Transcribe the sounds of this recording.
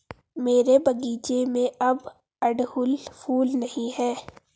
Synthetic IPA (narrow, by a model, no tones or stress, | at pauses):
meːɾebʱɐɡiːt͡ʃemẽʔɐb | ɐɖhʊlpʰuːlnɐɦĩɦɛː